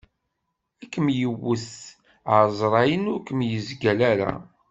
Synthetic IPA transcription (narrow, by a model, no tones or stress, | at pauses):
ækːəmjəwːəθ | əzˤɾˤɑjənʊɾkəmjəzɡælæɾa̰